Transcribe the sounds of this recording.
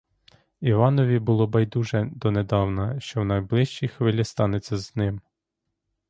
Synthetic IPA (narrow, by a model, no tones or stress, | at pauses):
iʋɑnɔʋʲibʊlˠɔbɐjd̪uʒɛd̪ɔned̪ɑwnɐʃt͡ʃɔwnɐjblˠɪʃt͡ʃijxʋɪlʲist̪ɑnet͡sʲːɐznɪm